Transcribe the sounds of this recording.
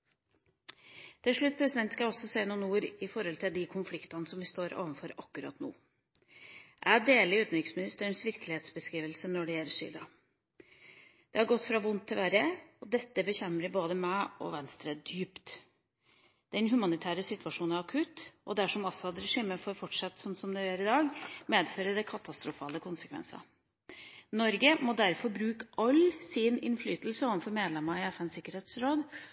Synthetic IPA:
t̪ʰɪlʂɭʉt̪̚ːpʰɾɛsɪd̪ɛnt̪skɑɔsːɔseːnuːnuːɾɪfɔɾhɔlt̪ʰɪld̪ɪkʰʊnflɪkt̪ɑnəsɔmʋɪst̪oːɾɑ̰ːʋənfɔɾɑkːʉɾɑ̰t̪nṵː | ʔæd̪eːləɾʉːt̪n̩ɾɪksmɪnɪst̪əɳsʋɪɾkəlɪheːt̪sbəskɾiːʋəlsənɔɖɛjɛlːəʂy̰ːd̪ɑ | d̪̥ɛæɾɡɔt̪ːfɾɑʋʊnt̪ʰːɪlʋæɾəɔd̪ɛt̪ːəbəçɛmːəɖɪboːd̪əmæɔ̰ʋɛnst̪ɾəd̪̥yːpt̪ | d̪ɛnɦʉmɑnɪt̪ʰæːɾəsɪt̪ʉɑʂuːnæɾɑkʰʉt̪ʔɔ̰d̪æʂɔmɔsːɔhɑd̪ɾɛʂiːməfoːɾfɔʈʂɑt̪ːsɔmsɔmd̪ɛjøːɾɪd̪ɑːɡmeːd̪føːɾəd̪ɛkʰɑt̪ɑst̪ɾʊfɑ̰ːləkʰʊnsə̥kʰʋɛ̰nsɑ̰ | nɔɾɡəmɔd̪æɾfɔɾbɾʉːkəʔɑlsɪnɪ̰nflyːt̪l̩səoːʋənfɔɾmeːd̪lɛmɑɪɛfɛnsɪkːəɾeːt̪sɾoːd̪

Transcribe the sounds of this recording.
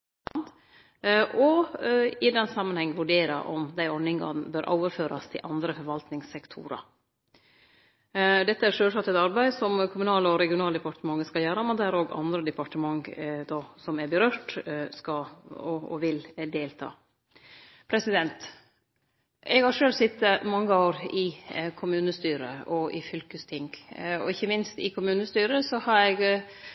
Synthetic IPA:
d̪ | ʔɔ | ɪd̪ɛnːsɑmːənhɛŋːəʋʉɖeːɾɑ̰ʔɔ̰md̪æɪɔnɪŋɡɑ̰bøːɾʔo̰ʊʋəɾføːɾɑ̰st̪ʰɪ̰ʔɑnd̪ɾəfɔɾʋɑlt̪nɪŋsɛkt̪ʰṵːɾɑ̰ | d̪ɛt̪ːəæɾʂøːlsɑt̪ɛt̪ɑɾbæɪsɔmkʰʊmʉnɑːləɔɾɛɡɪʊnɑːləd̪ɛpɑʈəmɑŋːəskɑjæːɾɑmɛd̪æɾoːɡɑ̰nd̪ɾəd̪ɛpɑʈəmɑŋd̪ɑsɔmæɾbəɾøːʈskɑɔɔ̰ʋɪld̪eːlt̪ʰɑ̰ː | pʰɾɛsɪd̪ɛnt̪ | ʔɛɡhɑɾʂøːlsɪt̪ːəmɑŋːəoːɾɪkʰʊmʉːnəst̪yːɾə̰ɔʔɪfʏlkəst̪ʰɪŋɡɔ̰ɪçːəmɪnst̪ɪ̰kʰʊmʉːnəst̪yːɾəsɔhɑɾɛɡ

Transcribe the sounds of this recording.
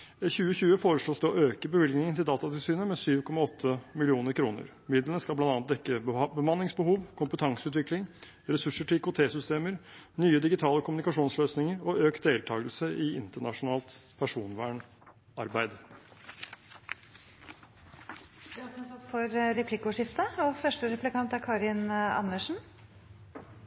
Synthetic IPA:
çʉːəçʉːəfoːɾəʂloːsd̪ɛɔːʔøːkəbəʋɪlɡnɪŋət̪ɪld̪ɑːt̪ɑt̪ɪlsyːnəmɛsyːʋkʰɔmɑɔt̪ʰːəmɪlɪuːnəɾkʰɾuːnə̰ɾ | mɪd̪lənəskɑlblɑnɑnt̪̚d̪ɛkːəbəmɑnːɪŋsbəhuːʋkʰʊmpət̪ʰɑŋsəʉːt̪ʋɪklɪŋ | ɾɛsʉʂəʈʰɪɪkʊt̪ʰeːsʏst̪eːməɾnyːəd̪ɪɡɪt̪ʰɑːləkʰʊmnɪkɑʂuːnsløːsnɪŋəɾɔʔøːk̪̚d̪eːlt̪ʰɑːɡəlsəʔɪɪnt̪əɳɑʂʊnɑːlt̪pʰæʂuːnʋæːɳ | ɑɾbæɪd̪ | d̪ɑsɔmsɔt̪fɔɾɾɛpʰlɪkʊʂɪft̪əɔfœʂʈəɾɛplɪkɑnt̪æɾkʰɑːɾɪnɑ̰nəʂn̩

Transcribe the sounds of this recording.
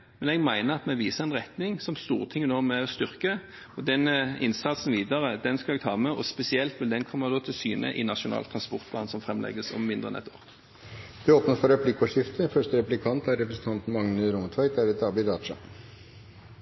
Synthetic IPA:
mɛnɛɡmæɪnəɑt̪mɛʋiːsəɛnʁɛt̪nɪŋsɔmst̪ṵːʁət̪ʰɪŋːənoːmɛɔst̪ʏʁkə | ɔd̪ɛnːəɪnsɑt̪sn̩ʋiːd̪ɑʁəd̪ɛnskɑlɛɡ̚t̪ʰɑːmɛɔspɛsɪɛlt̪ʋɪld̪ɛnkʰɔmːəʁd̪oːt̪ʰɪlsyːnə̰ʔɪnɑʂʊnɑ̰ːlt̪ʰʁɑnspɔʁt̪̚pʰlɑːnsɔmfʁɛmlɛ̰ɡəsɔ̰mmɪnd̪ʁəɛ̰nɛt̪ʰo̰ːʁ | d̪̥ɛoːpnəfɔɾɛplɪkːɔʂɪft̪əfœʂʈəɾɛplɪkʰɑnt̪æɾɾɛpɾəsn̩t̪ʰɑnt̪n̩mɑŋnəɾʊmt̪ʰʋæɪt̪æɾɛt̪ɑːbɪd̪ɑːd̪ʂɑ̰

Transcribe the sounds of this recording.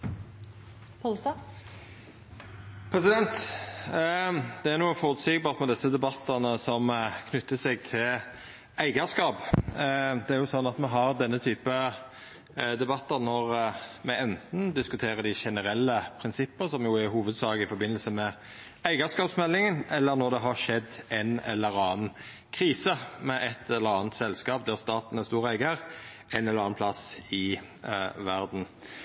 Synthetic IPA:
pʰɔlst̪ɑ | pʰɾɛsɪd̪ɛnt̪ | d̪ɛæɾnuːəfɔɾʉt̪siːɡ̚bɑːʁt̪mɛd̪ɛsːəd̪ɛbɑt̪ːəʁnəsɔmkʰnʉt̪ːəsɛɡ̚t̪ʰɪl | æɪɡɑskɑːp | d̪ɛæɾjʊsɔnːɑt̪mɛɦɑɾd̪ɛnːət̪ʰyːpə | d̪ɛbɑt̪ːəʁnɔʁmɛɛnt̪n̩d̪ɪskʉt̪ʰeːɾəd̪ɪʃɛnəɾɛlːəpʰɾɪnsɪpːəsɔmjʊæɾɦuːʋəd̪sɑːɡəɪfɔɾbɪnːəlsəmɛ | æɪɡɑskɑːpsmɛlːɪŋənɛlːəɾnɔɾd̪ɛɦɑʂɛd̪ɛnɛ̰lːəɾɑːn | kʰɾiːsəmɛʔɛt̪ːɛlːəɾɑːnt̪sɛlskɑːp̚d̪æʁst̪ɑːt̪n̩ɛæst̪uːɾæɪɡəɾ | ɛnɛləɾɑːnpʰlɑsɪ | ʋæɾd̪n̩

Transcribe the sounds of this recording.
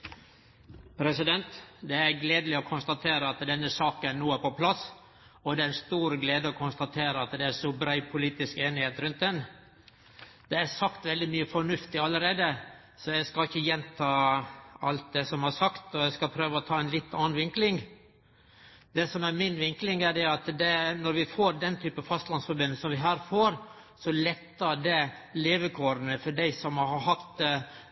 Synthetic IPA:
pʰɾɛsɪd̪ɛnt̪d̪ɛæɾɡleːd̪lɪɔkʰʊnst̪ɑt̪ʰeːɾəɑt̪d̪ɛnːəsɑːkənuːəpɔpʰlɑs | ɔd̪ɛæɾɛnst̪uːɾɡleːd̪əɔkʰʊnst̪ɑt̪ʰeːɾəɑt̪d̪ɛæʂɔbɾæɪpʰʊliːt̪ɪskeːnɪheːt̪ɾʉnt̪̚d̪ɛn | d̪̥ɛæsɑkt̪ʋɛld̪ɪmyːəfɔɳʉft̪ɪɑləɾeːd̪ə | sɔjæɪskɑɪçːəjɛnt̪ʰɑːɑ̰lt̪̚d̪ɛsɔmhɑsɑkt̪ɔjæɪskɑlpʰɾøːʋəɔt̪ʰɑːæɪnlɪt̪ːɑːnʋɪŋklɪŋ | d̪ɛsɔmæɾmɪnʋɪŋklɪŋæɖɛɑt̪d̪ɛnɔɾʋɪfoːɾd̪ɛnt̪ʰyːpəfɑst̪lɑnsfɔɾbʏnl̩sɔmʋɪɦæːɾfoːɾ | sɔlɛt̪ːəɖɛleːʋəkʰoːɾənəfɔɖæɪsɔmhɑɾhɑɾɦɑt̪

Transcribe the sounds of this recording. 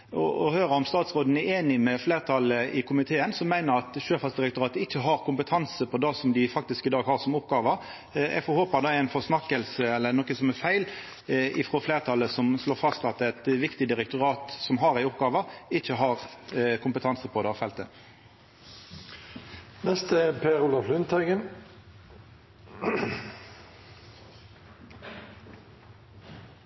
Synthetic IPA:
ɔ̰ɔhøːɾəɔmst̪ɑːt̪sʁoːd̪ən̩ɛeːnɪmɛfleːʁt̪ʰɑləɪkʰʊmɪt̪ʰeːənsɔmːæɪnəɾɑt̪ʃøːfɑsd̪ɪɾɛkt̪ʊɾɑːt̪əɪçːəɦɑɾkʰʊmpət̪ʰɑnsəpʰɔd̪ɑsɔmd̪ɪfɑkt̪ɪskɪd̪ɑːɡhɑːʁsɔmʊpɡɑːʋɑ | ɛ̰fɔɾhoːpɑd̪ɑæɪnfɔsnɑkːəlsəɛlːənɔkəsɔmɛfæɪl | ɪfɾoːfleːʁt̪ʰɑlːəsɔmsloːfɑst̪ɑt̪æt̪ʋɪkt̪ɪd̪ɪɾɛk̚t̪ʊɾɑːt̪sɔmɦɑɾæɪʊp̚ɡɑːʋɑɪçːəɦɑʁkʰʊmpət̪ʰɑnsəpʰɔd̪ɛɑfɛlt̪ə | nɛst̪əpʰeːɾʊlɑflʏnt̪ʰɑɡən

